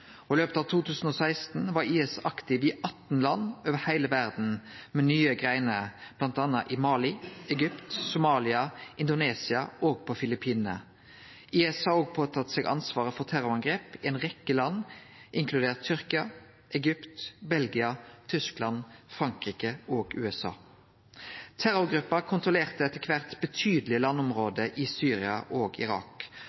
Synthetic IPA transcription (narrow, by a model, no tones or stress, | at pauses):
ɔløːpt̪ɑːʋt̪ʰuːt̪ʰʉːsn̩ɔːsæɪst̪n̩ʋɑʁiːɛsɑkt̪ɪʋɪːʔɑt̪ːn̩lɑnːoːʋəhæɪləʋæʁd̪n̩mɛnyːəɡʁæɪnəɾb̥lɑnt̪ɑnːɑʔɪmɑːlɪɛɡʏpt̪sʊmɑːlɪɑʔɪnd̪ʊneːsɪɑoːɡ̚pʰɔfɪlɪpʰiːnə̰ | ʔiːɛshɑɾoːɡ̚pʰoːt̪ʰɑt̪seːɡʔɑ̰nsʋɑːʁəfɔʁt̪ʰæʁʊɑŋɡʁeːpɪɛnʁɛkːəlɑnːʔɪŋkʰlʉd̪eːʁt̪t̪ʰːʏʁkɪɑ | ʔɛɡʏpt̪bɛlɡɪɑt̪ʰʏsklɑnfʁɑŋkʁiːkəoːɡʉ̰ːɛsɑ̰ː | t̪ʰæɾʊɡʁʉpːɑkʰʊnt̪ʁʊleːʁt̪əɛt̪ːəkʰʋæʁt̪bət̪ʰyːd̪əl̩ɪlɑnːʊmʁoːd̪əʔɪsyːʁɪɑʔoːɡɪ̰ʁɑ̰ːk